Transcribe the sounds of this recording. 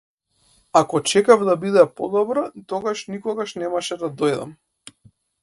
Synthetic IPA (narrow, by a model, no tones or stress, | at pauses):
akɔt͡ʃɛkavd̪abid̪ɛpɔd̪ɔbɾat̪ɔɡaʃnikɔɡaʃnɛmaʃɛd̪ad̪ɔjd̪a̰m